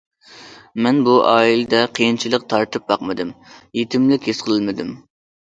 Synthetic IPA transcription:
mɛnbuʔɑːilɪd̪ɛqʰəjint͡ʃʰilˠəq̚t̪ʰɑɾt̪ɨp̚bɑqmɨd̪ɨmjet̪ʰɪmlɪkʲhesqʰəlˠɨlmɨd̪ɪm

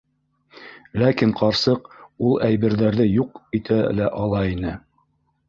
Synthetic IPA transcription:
lækiɴqʰɑɾsɤqulˠʔæjβɘ̆ɾðæɾðɘjuqit̪ʰælæʔɑlˠɑinɘ

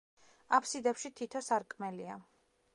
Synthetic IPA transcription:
apʰsid̪ɛpʃit̪ʰit̪ʰɔsaɾkʼmɛlia

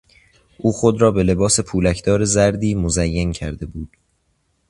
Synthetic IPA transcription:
ʔuːxod̪ɾɒːbe̞le̞bɒːse̞pʰuːlæcʰd̪ɒːɾe̞zæɾd̪iːmozæjːencʰæɾd̪e̞buːd̪̥

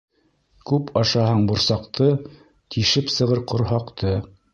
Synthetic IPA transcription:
kʉpʰɑʃɑɦɑɴbŏɾsɑqt̪ʰɤ | t̪ʰiʃɘpsɤ̆ʁɤɾqʰŏɾɦɑqt̪ʰɤ

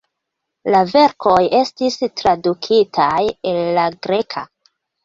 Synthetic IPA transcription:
lave̞ɾkʰo̞je̞stistɾadukʰitʰajelːaɡɾe̞kʰa̰

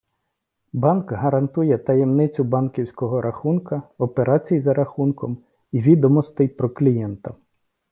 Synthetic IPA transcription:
bɑnkɦɐɾɐnt̪ujɛt̪ɐjɛmnɪt͡sʲʊbɑnkʲiwsʲkɔɦɔɾʔɐxunkɐɔpeɾɑt͡sʲijzɐɾɐxunkɔm | iʋʲid̪ɔmɔst̪ɪjpɾɔklʲijɛnt̪ɐ

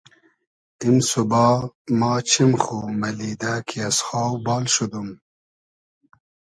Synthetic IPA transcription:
imsubɑːmɑːt͡ɕʰimxumɐlid̪aːkʰiasxɑːwbɑːlʃud̪um

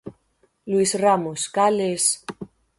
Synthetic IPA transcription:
luisramuskales

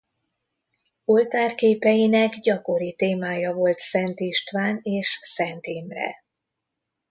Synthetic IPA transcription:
o̞lt̪aːrkeːpɛjinɛɡɟɒko̞ɾit̪eːmaːjɒvo̞lt̪sɛnt̪iʃt̪ʋaːneːʃsɛnt̪iːmrɛ̰

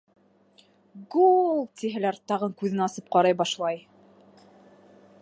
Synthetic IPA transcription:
ɡulˠt̪ʲiɦɘ̆læɾt̪ɑʁɤŋkʉðɘnɑsɤp̚qɑɾɑjbɑʃlˠɑj

